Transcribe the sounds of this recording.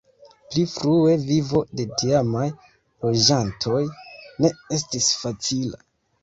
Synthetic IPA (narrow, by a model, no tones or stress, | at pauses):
plifɾue̞vivo̞de̞diamaj | lo̞d͡ʒantʰo̞jne̞e̞stisfat͡sila̰